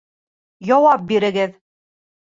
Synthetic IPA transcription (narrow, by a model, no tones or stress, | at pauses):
jɒwɑp̚biɾɘ̆ɡɘð